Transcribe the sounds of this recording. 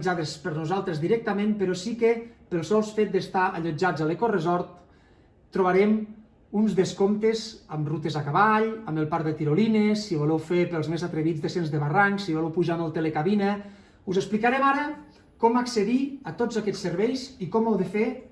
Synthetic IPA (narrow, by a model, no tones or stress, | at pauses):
d͡ʒaðəspəɾnuzalˠt̪ɾezðiɾɛk̚t̪əmẽmpəɾɔsikepəlˠsɔlˠsfet̪̚d̪est̪aʔaʎod͡ʒad͡zalˠekorəzɔɾt̪ | t̪ːɾuβaɾɛm | unzðeskomt̪ezəmrut̪ezakaβaʎəməlˠpaɾðət̪iɾolinesːiβolɛwfepəlˠzmezat̪ɾeβid͡zðesenzðəβaraŋksiβɔlɛwpuʒaməlˠt̪elekaβinə | uzəsplikaɾɛmaɾə | kɔmakseðiət̪od͡zakɛt͡sːeɾβɛjzikɔmawðefe